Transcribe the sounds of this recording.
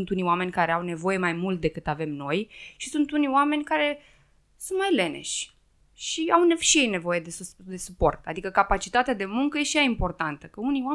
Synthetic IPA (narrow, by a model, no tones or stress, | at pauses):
nt̪uniwame̞nʲkaɾe̞awne̞vo̞je̞majmult̪̚d̪e̞kɨt̪ave̞mno̞jʃisunt̪uniowame̞nʲkaɾe̞ | sunt̪majle̞ne̞̰ʃʲ | ʃiawneʃijejne̞vo̞je̞d̪esd̪e̞supo̞̰rt̪a̰d̪ikəkapat͡ʃit̪at̪ead̪e̞muŋkəje̞ʃiaimpo̞rt̪ant̪əkəunia